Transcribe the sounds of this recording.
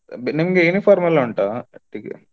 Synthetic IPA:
bnimɡeunipʰaːɾmɐluɳʈaːʈikḛ

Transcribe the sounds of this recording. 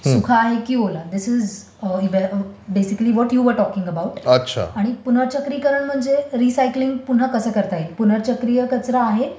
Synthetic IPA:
sukʰaːɦekiːɦolad̪ɪsɪz | iʋebesikəliʋɔʈjuʋəɾʈɔkĩŋɡəbawʈətːɕʰa̰aɽ̃ipun̤əɾt͡ɕəkɾiːkəɾəɳm̤əɳd͡zeɾisajkliŋɡ̚pun̤akəsəːkəɾt̪aɦepun̤əɾt͡ɕəkɾijəkət͡sɾaːɦe

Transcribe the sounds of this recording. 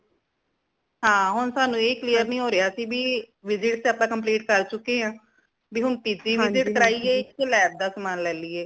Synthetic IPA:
ɦãːɦʊnsaːnũːeːiːklijəɾnĩːɦoːɾɪjaːsiːbiːʋɪzɪʈt̪eəpãːkəmpliːʈkəɾt͡ʃʊkːeːãː | biːɦʊnt̪iːdiːʋɪzɪʈkəɾaːiːeːɪelɛːb̚d̪aːsmaːnlɛːliːeː

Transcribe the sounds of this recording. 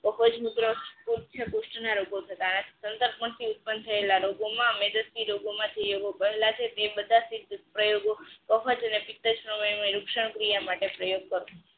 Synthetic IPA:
kəfəd͡ʒmuɡnoskult͡ʃʰekuʃʈnaɾoɡot̪ʰət̪anat̪ʰi̥sənt̪əɾpmãt̪ʰiut̪̚pənt̪ʰəelaɾoɡomãmed͡ʒ̪əsiɾoɡomãd͡ʒejoɡopəɦelat͡ʃʰet̪ebəd̪ʱasid̪pɾəjoɡokəfəd͡ʒənepit̪ːəd͡ʒpɾəməjneɾukʃəɳ̃kɾijamaʈepɾəjoɡ̚kəɾo

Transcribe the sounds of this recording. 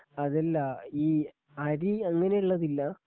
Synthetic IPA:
ɐðɐlːɐiː | ɐɾiɐŋːɐne̞uɭːɐðilːɐ

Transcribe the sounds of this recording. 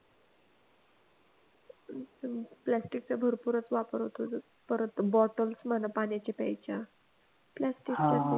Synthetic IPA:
plæsʈik̚t͡sabʱəɾpuɾət͡sʋapəɾɦot̪o | pəɾət̪əbɔʈəlsmanapanjat͡ɕepɛ̰jt͡ɕa | plæsʈika

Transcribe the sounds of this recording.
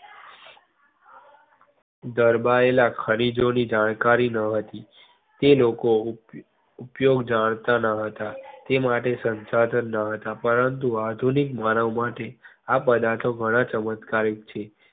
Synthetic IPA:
d̪əɾbaelakʰəɽ̃id͡ʒonid͡ʒaɽ̃kaɾinəɦət̪i | t̪eloko | upjoɡd͡ʒaɽ̃t̪anəɦət̪at̪emaʈesənt͡ʃad̪ənːəɦət̪apəɾənt̪uad̪ʱunikmanəʋmaʈeapəd̪at̪ʰoɡʱəɽ̃at͡ʃəmət̪kaɾik̚t͡ʃʰe

